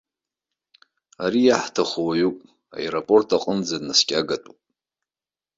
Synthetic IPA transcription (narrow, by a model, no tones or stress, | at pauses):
aɾijaħtʰaχowaɥukʷʼ | a̰eɾapʼo̞rtʰaqʼənd͡zanːaskʲʼaɡatʷʼupʼ